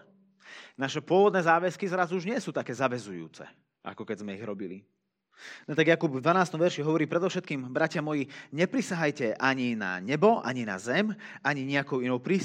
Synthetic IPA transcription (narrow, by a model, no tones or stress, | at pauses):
naʃɛpʊɔʋɔd̪nɛːzaːʋɛskizɾazuuʒɲɪɛsuːt̪akɛːzaʋɛzujṵːt͡sɛ̰ | ʔa̰kɔkɛzmɛiɣɾɔbilḭ | nɔt̪aɡjakubvd̪ʋanaːst̪ɔmʋɛɾʃiɦɔʋɔɾiːpɾɛd̪ɔʊʃɛt̪kiːmbɾacɪamɔjiɲɛpɾisaɦajcɛʔaɲina̰ɲɛbɔʔa̰ɲina̰zɛmaɲiɲɛakɔʊinɔʊpɾiː